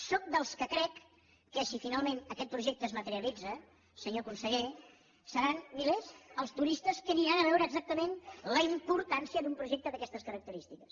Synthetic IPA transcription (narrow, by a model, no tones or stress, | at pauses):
sɔk̚d̪əlˠskəkɾɛkː | əsifinalˠmenəkɛt̪̚pɾuʒɛk̚t̪əːzmət̪əɾiəlid͡zə | səɲokunsəɣe | səɾanmilezəlˠst̪uɾist̪əskəniɾanəβɛwɾəːɡzak̚t̪əmenləimpuɾt̪ansiəd̪umpɾuʒɛk̚t̪əðəkɛst̪əskəɾək̚t̪əɾist̪ikəs